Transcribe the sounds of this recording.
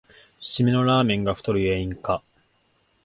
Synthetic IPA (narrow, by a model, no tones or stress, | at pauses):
ɕimino̞ɾaːmẽ̞ŋɡaɸɯ̥t̪o̞ɾɯ̟eːĩŋka